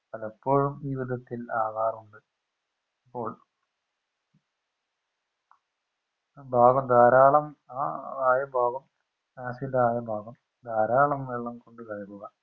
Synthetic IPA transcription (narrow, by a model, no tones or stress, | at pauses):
pɐlɐpːo̞ːɻumʋiːʋid̪ʱɐt̪ːilaːɣaːrɐuɳɖɨ | ipːo̞ːɭ | bʱaːɡɐmd̪aːɾaːɭɐmaaːjɐbʱaːɣɐm | aːsilaːjɐbʱaːɡɐm | d̪ʱaːɾaːɭɐmʋeɭːɐmko̞ɳɖɨkɐɻimuɣɐ